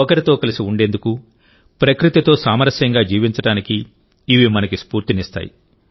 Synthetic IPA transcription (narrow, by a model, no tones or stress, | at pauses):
ɐkɐɾit̪o̞ːkɐlisiuɳɖe̞nd̪uku | pɾɐkɾit̪it̪o̞ːsaːmɐɾɐsjɐŋɡaːd͡ʒiːʋiɲt͡ʃɐɽaːnikiː | ʋimɐnɐkispuːɾt̪inist̪a̰ːjḭ